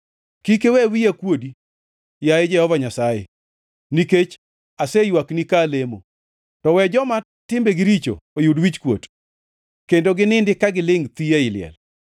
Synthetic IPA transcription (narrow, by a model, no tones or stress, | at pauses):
kikewɛwijakwodi | jajed͡ʒɛhɔvaɲasajḛ | niket͡ʃ | asejwaknikalemo̰ | tɔwɛd͡ʒɔma | tɪmbeɡɪɾit͡ʃo̰ojudwit͡ʃkwo̰t | kendoɡɪnɪndɪkaɡɪlɪŋt̪ijaɪlɪɛ̰l